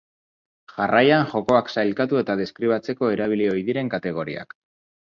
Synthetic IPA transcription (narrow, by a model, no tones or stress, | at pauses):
ʝarajanxo̞ko̞aksajlkat̪ue̞t̪að̞e̞skɾiβ̞at͡se̞ko̞e̞ɾaβ̞ilio̞jðiɾe̞ŋkat̪e̞ɣ̞o̞ɾḭa̰k